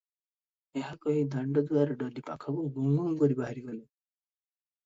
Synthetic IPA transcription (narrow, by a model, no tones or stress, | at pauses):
eɦakɔɦid̪ʱaɳɖɔd̪uaɾɔɖɔd̪ipa̰kʰɔbɔɡuŋɡɔmɡɔɾibaɦaɾiɡɔle